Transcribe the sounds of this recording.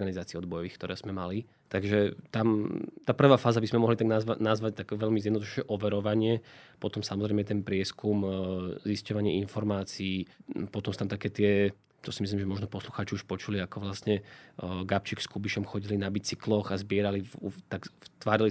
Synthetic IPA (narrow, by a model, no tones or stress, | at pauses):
ɡanizaːt͡siːɔd̪̚bɔjɔʋiːxkt̪ɔɾɛːz̥mɛmali | t̪aɡʒɛt̪amt̪aːpr̩ʋaːfaːzabizmɛmɔɦlit̪aɡnazʋanazʋac̚t̪aɡʋɛʎmizɛd̪nd̪uʃɛʔɔʋɛɾɔʋaɲɪɛpɔt̪ɔmsamɔzɾɛɪmɛt̪ɛnpɾɪɛskumziscɔʋaɲɪɛinfɔɾmaːt͡siiːpɔt̪ɔmsu̥t̪amt̪akɛːt̪ɪɛ | t̪ɔsimislimʒɛmɔʒnɔpɔsluxaːt͡ʃiuʃpɔt͡ʃuliakɔʋlasɲɛɡap̚t͡ʃikskubiʃɔmxɔɟilinabit͡siklɔɣazbɪɛɾaliut̪aɡt̪ʋaːɾili